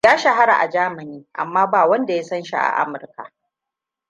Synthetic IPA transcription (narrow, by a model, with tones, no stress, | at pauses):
jaː˦ʃa˨ɦa˦ɾa̰˨ʔa̰˨d͡ʒaː˦mɐ˨niː˦ʔa̰˨mːaː˦baː˨wɐ˦nda˨ja˦sɐ˦nʃḭ˦ʔa̰˨ʔa̰˦mʊ˨rka̰˨ʔ